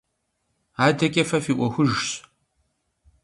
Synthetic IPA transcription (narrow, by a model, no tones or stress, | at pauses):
aːdʰɐkʲʼɐfɐfiːʔʷɔxʷʊʒɕ